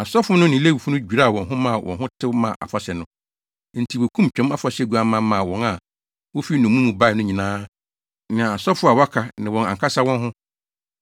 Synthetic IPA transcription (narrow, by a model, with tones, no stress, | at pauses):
a˨sɔ˦fʊ˦nʊ̃˦nɪ̃˨˦le˦wu˨fu˦nʊ̃˦d͡ʑᶣi˨ɾa˦a˨wɔ̃˨nɦʊ̃˦mã˦˨wʔɔ̰̃˨nɦʊ̃˦tʰɪ˦mã̰˨ʔa̰˨fa˦ɕɛ˨nʊ̃˦ | n̩˨tʰi˨wo˨kʰũ˦mt͡ɕᶣɛ̃˨˦ma˦fa˨ɕɛ˦˨ɡu˨˦a˦mã˦mã˨wɔ̃˨na˨ | wʊ˦fi˦nʊ̃˨mũ˦mũ˨ba˦˨nʊ̃˦ɲĩ˨nãː˦ | nɪ̃˨a˨sɔ˦fʊ˦a˨wa˦kʰa˨nɪ̃˨wɔ̃˨nã̰˨ŋkʰa˦sa˦wɔ̃˦nɦʊ̃˦